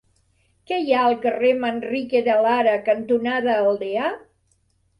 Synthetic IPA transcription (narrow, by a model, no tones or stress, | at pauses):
kɛjaəlˠkəremənrikeðəlaɾəkənt̪unaðəːlˠd̪ea